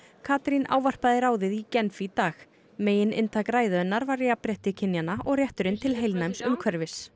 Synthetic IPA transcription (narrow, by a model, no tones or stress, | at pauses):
kʰaːt̪ɾina̰ːwvar̥paðɪɾaːwðɪðicɛnfit̪aːx | meːjɪnɪ̰nt̪ʰakɾaːjðʏnːaɾvarːɪapɾjɛht̪ɪcʰɪnjanaʔɔɣrjɛht̪ʏɾɪnt̪ʰɪlɦejlnajmsʏmkʰvœɾvɪs